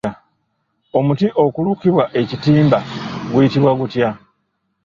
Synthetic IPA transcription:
o̞mutiʔo̞kulukiβwaʔe̞citiːmbaɡujitiβwaɡutja

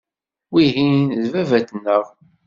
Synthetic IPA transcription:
wiɦinðvævæt̪nːəʁ

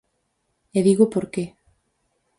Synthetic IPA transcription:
eðiɣʊpoɾke

